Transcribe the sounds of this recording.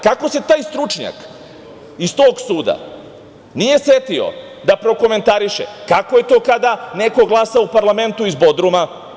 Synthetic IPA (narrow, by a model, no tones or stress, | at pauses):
kako̞se̞t̪aːjst̪ɾut͡ʃɲa̰k | ist̪o̞ːɡsuːd̪a̰ | nije̞set̪io̞̰ | d̪apɾo̞ko̞me̞nt̪aɾiʃḛkakoje̞t̪o̞ːkad̪ane̞ko̞ɡlˠasaoupaɾlˠame̞nt̪uizbo̞d̪ɾuma